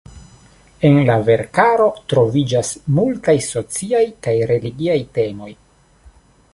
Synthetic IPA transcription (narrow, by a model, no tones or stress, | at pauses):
e̞nlave̞ɾkaɾo̞tɾo̞vid͡ʒasmultajso̞t͡siajkajɾe̞liɡiajte̞mo̞j